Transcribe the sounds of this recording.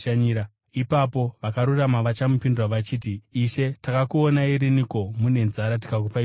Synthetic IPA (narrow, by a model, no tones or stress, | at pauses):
aɲiɾa | ipapo̞ʋakaɾuramaʋat͡ʃamupindirwaʋat͡ʃiːtiːʃe̞takakuonaiɾiniko̞mune̞nzaɾat̬i̥kak̬upai